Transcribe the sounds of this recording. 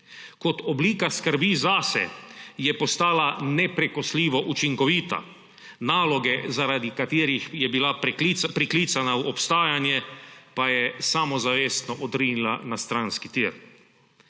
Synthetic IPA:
kɔt̪ɔbliːkaskəɾbizasɛ̰jɛpɔst̪aːlanɛpɾɛkɔsliːʋɔʔut͡ʃiŋkɔʋiːt̪a̰ | naːlɔɡɛzaɾad̪ikat̪iːɾixjɛbilapɾiklit̪sanawɔpst̪aːjanjɛpajɛsamɔzaʋeːst̪nɔʔɔd̪ɾiːnilanast̪ɾanskit̪iɾ

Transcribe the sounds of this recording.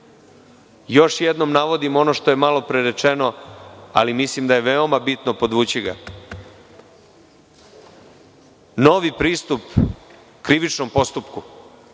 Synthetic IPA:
jo̞ʃjed̪no̞mnaʋo̞d̪imo̞no̞ʃt̪o̞jemalo̞pɾeɾet͡ʃe̞no̞a̰limislimd̪aje̞ʋeo̞mabit̪nopo̞d̪ʋuːt͡ɕiɡa | no̞ʋipɾiːst̪up | kɾiʋit͡ʃno̞mpo̞st̪upku

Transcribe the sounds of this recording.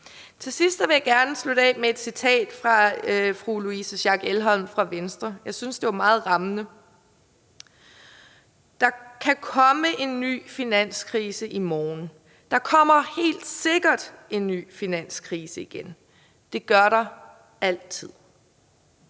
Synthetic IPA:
t͡sʰe̝lsisd̥ʋe̝jɑ̈ɡ̥æɐnəslud̥ɛ̰mee̝d̥sit͡sʰɛ̰ːd̥fʁɑ̈fʁuluisəɕɑ̈ɡ̥elɦɒ̽l̰mfʁɑ̈ʋensd̥ʁɐjɑ̈ɪsynsd̥e̝æɐmɑ̈ːð̩ˠʁɑ̈mənə | d̥ɑ̈kʰækʰɒ̽məʔe̝nːy̰ːfinæn̰skʰʁiːsəʔimɒːn̩ | d̥ɑ̈kʰɒ̽m̰ɐhe̝̰ːld̥se̝ɡ̥ɐd̥e̝nːy̰ːfinæn̰skʰʁiːsəiɡ̥en | d̥e̝ɡ̥ɶɐɾɑ̈ | æl̰t͡sʰið̰ˠ

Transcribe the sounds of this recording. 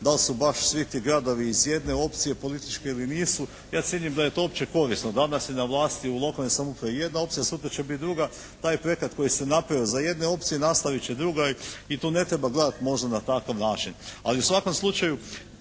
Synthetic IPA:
d̪alsubaʃsʋit̪iːɡɾad̪o̞ʋiːzje̞d̪ne̞o̞pt̪sije̞po̞lit̪it͡ʃke̞iliniːsu | jaːt̪sjeɲimd̪aje̞t̪oopt͡ʃeko̞ɾisnod̪anasjenaʋlˠaːst̪iulˠo̞kalnesamupɾaije̞d̪nao̞p̪̚sijasut̪ɾat͡ʃebit̪̚d̪ɾuɡa | t̪aːjpɾojekat̪ko̞jisenapɾaʋiozaje̞d̪ne̞o̞p̚t̪sije̞nast̪aʋit͡ɕed̪ɾuɡait̪uːne̞t̪ɾe̞baɡle̞d̪at̪mo̞ʒd̪anat̪akaʋnaːt͡ʃinaliusʋako̞mslˠut͡ʃaju

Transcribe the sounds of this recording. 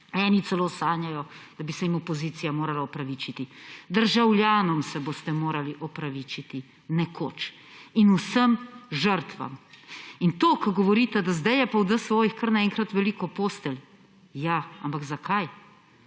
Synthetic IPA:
ɛːnit̪sɛloːsaːnjajɔd̪̥abisɛimɔpɔziːt̪sijamoːɾalaɔpɾaʋit͡ʃit̪id̪əɾʒawljaːnɔmsɛboːst̪ɛmoːɾaliʔɔpɾaʋiːt͡ʃit̪i | nɛkʰo̰ːt͡ʃ | inusəmʒəɾt̪ʋa̰mint̪oːkɐɡɔʋɔɾiːt̪ɛd̪azd̪ajɛpawd̪əsʋɔːjixkəɾnaɛŋkɾat̪ʋɛliːkɔpoːst̪ɛl | jaa̰mpakzakʰaj

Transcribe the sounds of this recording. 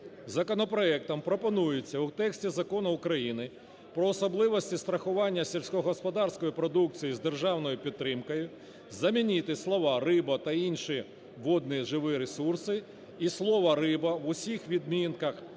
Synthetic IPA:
zɐkɔnɔpɾɔɛk̚t̪ɐmpɾɔpɔnujɪt͡sʲːɐʊt̪ɛksʲtʲizɐkɔnʊʊkɾɐjinɪ | pɾɔːsɔblˠɪʋɔsʲtʲist̪ɾɐxʊʋɑnʲːɐsʲɛlʲsʲkɔɦɔspɔd̪ɑrsʲkɔjipɾɔd̪uk̚t͡sʲijizd̪erʒɑwnɔjʊpʲid̪t̪ːɾɪmkɔjʊ | zɐmʲinʲit̪ɪslˠɔʋɑrɪbɐt̪ɐinʲʃi | ʋɔd̪̚nʲiʒɪʋɪɾesursɪ | islˠɔʋɐɾɪbɐʋʊsʲixʋʲid̪̚mʲinkɐx

